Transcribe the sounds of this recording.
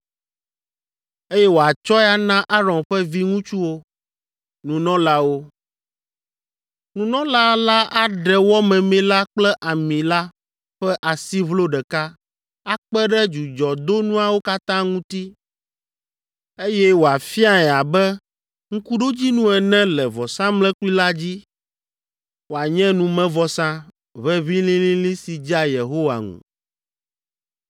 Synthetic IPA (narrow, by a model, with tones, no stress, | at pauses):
e˦jɛ˦wo˨a˨t͡ʃɔ˦ɛ˦a˦nã˦ʔa˦ɾɔ̃˨nɸɛ˦vi˦ŋũ˦t͡ʃu˦wo˦ | nũ˨nɔ̃˦la˦wo˦ | nũ˨nɔ̃˦la˦la˦ʔa˦ɖɛ˨wɔ˦mɛ̃˨mɛ̃˨la˦k͡plɛ˦ʔa˨mĩ˨la˦ | ɸɛ˦ʔa˨si˦vlo˦ɖɛ˨ka˦ | a˦k͡pɛ˦ɖɛ˦d͡ʒu˨d͡ʒɔ˨d̪o˦nũ˦a˨wo˦ka˦t̪ã˦ŋũ˦t̪i˦ | e˦jɛ˦wo˨a˨fi˦a˦ɛ˨a˨bɛ˦ | ŋ̩̃˦ku˦ɖo˦d͡ʑi˦nũ˦ɛ˨nɛ̃˦lɛ˨vɔ˨sã˦mlɛ̃˦ki˦la˦d͡ʑi˦ | wo˨a˨ɲɛ̃˦nũ˨mɛ̃˦vɔ˨sã˦ | βɛ˦βĩ˦lĩ˦lĩ˦lĩ˦si˨d͡ʑa˦je˨ɦo˦wa̰˨ŋṵ̃˨